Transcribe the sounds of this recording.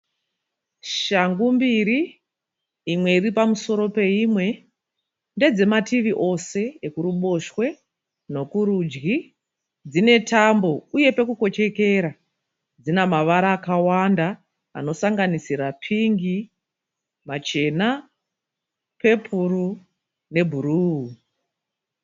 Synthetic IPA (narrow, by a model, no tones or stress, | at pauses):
ʃaŋɡumbiɾiː | mwe̞iripamuso̞ɾo̞pe̞imwe̞ | nde̞d͡ze̞matiʋiʔo̞se̞ekuɾuɓo̞ʃwe̞ | no̞kuɾuːd͡ʒɡi | d͡zine̞tambo̞uje̞pe̞kuko̞t͡ʃe̞ke̞ɾa | d͡zinamaʋaɾaːkawanda | a̰no̞saŋɡanisiɾapʰiŋɡi | mat͡ʃe̞na | pe̞pʰuru | ne̞bʱuruːu